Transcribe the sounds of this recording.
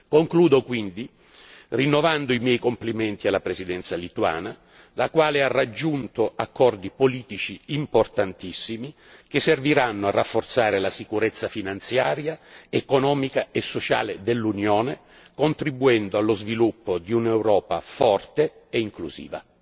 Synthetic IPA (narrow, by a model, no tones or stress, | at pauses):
koŋkluːd̪okwind̪i | rinːovand̪oimjɛjkomplimɛnt̪ialːapɾesid̪ɛnt̪salit̪wa̰ːna | lakwaːlearːad͡ʒːunt̪oakːɔrd̪ipoliːt̪it͡ʃiːmport̪ant̪isːimi | kesːerviɾanːoarːafːort̪saːɾelasikuɾet̪sːafinant̪sjaːɾjaekonɔːmikaesːot͡ʃa̰ːled̪elːunjoːne | kont̪ɾibuɛnd̪oalːozvilupːod̪iunɛwɾɔːpa̰fɔrt̪e | eiŋkluzḭːva̰